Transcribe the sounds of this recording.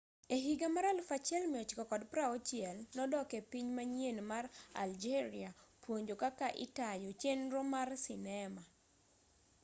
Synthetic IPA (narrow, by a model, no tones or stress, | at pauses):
eɦiɡamaɾalfat͡ʃɛlmɪɔt͡ʃkɔkɔdpɾaɔt͡ʃjɛlnɔdɔkepiɲmaɲjenmara̰ld͡ʒeɾiapwoɲd͡ʒokakaʔɪ̰tajot͡ʃenɾomarsɪnɛma